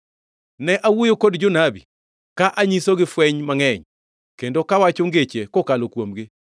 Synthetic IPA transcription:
nɛʔawojokodd͡ʒonabḭ | kaʔaɲisoɡɪfwɛɲmaŋɛɲ | kendokawat͡ʃoŋɡet͡ʃekokalokwomɡɪ

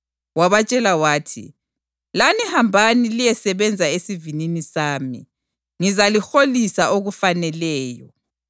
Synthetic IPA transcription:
waβat͡ʃʼɛlawaːtʰḭ | lanihambʱanilijɛsɛβɛnd͡zʱaesivininisaːmḭ | ŋizalixolisaʔoɣufanɛlɛːjɔ̰

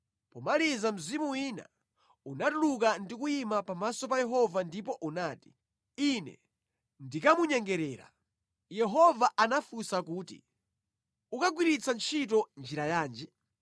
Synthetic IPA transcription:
pɔmalizam̩zimuwiːna̰ | unatulukandik̬ujimapamasɔpajɛɦɔvandipɔʔunaːti̥ | inɛ̰ | ndikamuɲɛŋɡɛɾɛːɾa̰ | jɛɦɔvaʔanafusakuːtḭ | ukaɡwiɾit͡sʰant͡ʃʰit̬ɔnd͡ʒiɾajaːnd͡ʒɛ

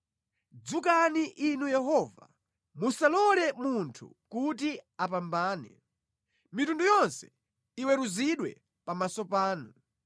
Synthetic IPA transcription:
d͡zukaniʔinujɛɦɔva | musalɔlɛmuntʰṵ | kut̬iapambaːnɛ̰ | mitundujɔnsɛ̥ | iwɛɾuziɗwɛ̰ | pamasɔpaːnu

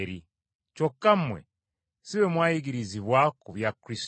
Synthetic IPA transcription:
ɾi | cokːam̩mwḛ | siβemwaːjiɡiɾiziβwakuβjakɾis

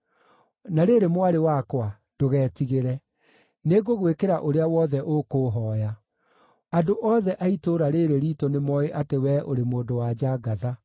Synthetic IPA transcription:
naɾeɾemwaɾewakwa | d̥oɣɛːtiɣeɾɛ | neɣoɣwekeɾaʔoɾeawɔːðɛʔokoːɦɔːja | adoʔɔːðɛʔaitoɾaɾeɾeɾiːtonemɔeʔatewɛʔoɾemoːndowad͡ʑaɡaða

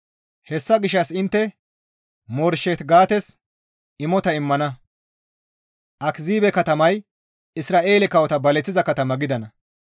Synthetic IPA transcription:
hɛsːɐɡɪʃɐsɪnt̪ːɛ | mɔɾʃɛt̪ɡaːt̪ɛs | ɪmɔt̪ɐɪmːɐnɐ | ʔɐkziːbɛkɐt̪ɐmɐj | ɪsɾaːʔe̞ːlɛkɐwɔt̪ɐbɐlɛt͡sːɪzɐkɐt̪ɐmɐɡɪd̪ɐnɐ

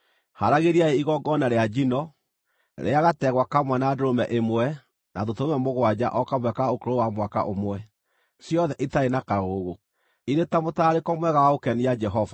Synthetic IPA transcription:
haɾaɣeɾiaeiɣɔɡɔnaɾead͡ʒinɔ | ɾʔḛaɣatɛɣwakamwɛnadoɾomɛʔemwɛ | naðotoomɛmoɣwad͡ʑaʔɔkamwɛkaokoɾowamwaka̰ʔomwɛ | sjɔðɛʔitaenakaɣoɣo | iɾetamotaːɾekɔmwɛɣawaokɛnijad͡ʒɛɦɔva

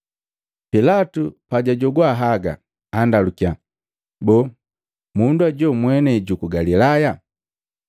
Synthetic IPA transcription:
pilatupaɟaɟɔɡwaɦaɡa̰ | andalukia | bɔ | munduaɟɔmwɛnɛɟukuɡalilaja

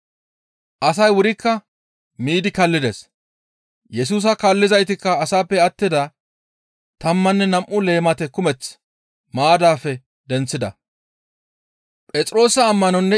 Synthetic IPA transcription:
ʔɐs̬ɐjwʊɾɪkːɐ | miːd̪ɪkɐlːɪd̪es | jɛs̬uːs̬ɐkɐlːɪzɐjt̪ɪkːɐːsaːpːɛɐt̪ːɪd̪ɐ | t̪ɐmːɐnːɛnɐmʔʊle̞ːmɐt̪ɛkʊmɛt͡s | maːd̪aːfːɛ | d̪ɛnt͡sːɪd̪ɐ̰ | pʼɛt͡sʼɾo̞ːsɐːmːɐnɔnːɛ

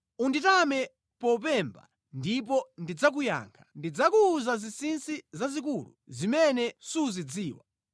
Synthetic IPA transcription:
unditamɛ | pɔp̬ɛmba̰ | ndip̬ɔndid͡zak̬uja̰ːŋkʰḁndid͡zakuːzazisinsizazik̬ulṵzimɛnɛsuzid͡ziːwa̰

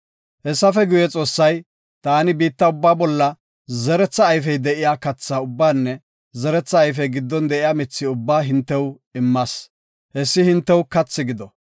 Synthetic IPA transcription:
hɛsːɐfɛɡʊjɛt͡sʼo̞ːsːɐj | t̪aːnɪbiːt̪ːɐʊbːaːbɔlːɐ | zɛɾɛt͡sːɐːjfɛjd̪ɛʔɪjaːkɐt͡sːaːʊbːaːnːɛ | zɛɾɛt͡sːɐːjf̬ɛjɡɪd̪ːɔnd̪ɛʔɪjaːmɪt͡sːɪʊbːaːɦɪnt̪ːɛw | ɪmːaːs | hɛsːɪhɪnt̪ːɛwkɐt͡sːɪɡɪd̪ɔ

